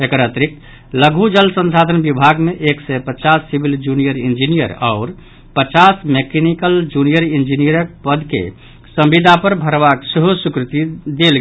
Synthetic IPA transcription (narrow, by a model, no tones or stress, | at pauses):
ekɾat̪ɾik | ləɡʱud͡ʒəlsə̃nsad̪ʱənbibʱaɡmeʔeksɛpət͡ʃasːibʱild͡ʒunijəɾind͡ʒinijə̰ɾa̰ʊɾ | pət͡ʃasmekenikəld͡ʒunijəɾind͡ʒinijəɾək̚pəd̪ʱkḛ | səmbid̪ʱapəɾbʱəɾbakseɦosukɾit̪id̪elɡ